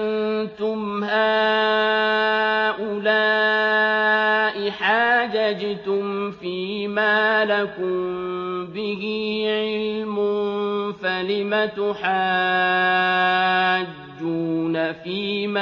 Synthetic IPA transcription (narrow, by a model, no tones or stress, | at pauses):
nnt̪ʊmhaː | ʔʊlaː | ʔɪħaːd͡ʒad͡ʒat̪ʊmfiːmaːlakʊmbɪhɪʕɪllmʊfalɪmat̪ʊħaː | d͡ʒːuːnafiːma